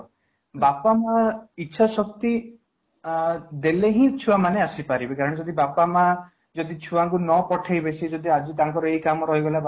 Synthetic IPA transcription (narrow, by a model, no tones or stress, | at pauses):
bapamaitːʃʰasɔkt̪i | d̪eleɦĩt͡ʃʰuamaneasipaɾibekaɾɔɽ̃ɔd͡ʒɔd̪ibapama | d͡ʒɔd̪it͡ʃʰuwaŋkunɔpɔʈʰajbesʰid͡ʒɔd̪iad͡ʒit̪aŋkɔɾɔejkamɔɾɔɦiɡɔla